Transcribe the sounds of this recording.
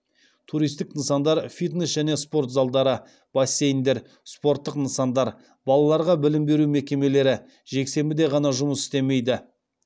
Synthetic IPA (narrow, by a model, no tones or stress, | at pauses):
t̪ʰuɾijst̪ɪknəsɑnd̪ɑɾfʲit̪nesʒæne̞spo̞rt̪zɑlˠd̪ɑɾə | b̥ɑsʲːe̞jnd̪e̞ɾ | spo̞ɾt̪ːəqnəsɑnd̪ɑɾ | bɑlˠɑlˠɑɾʁɑbɪlɪmbe̞ɾumekʲe̞me̞le̞ɾɪ | ʒe̞kse̞mbɪd̪e̞ʁɑnɑʒʊməsɪ̥st̪e̞me̞jd̪ɪ